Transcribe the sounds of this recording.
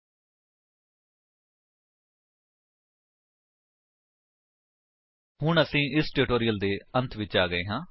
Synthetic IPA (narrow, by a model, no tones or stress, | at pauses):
hʊɳəsĩːʔɪsʈɪʈoːɾijəld̪eːə̃nt̪ʰʋɪt͡ʃaːɡəeːɦãː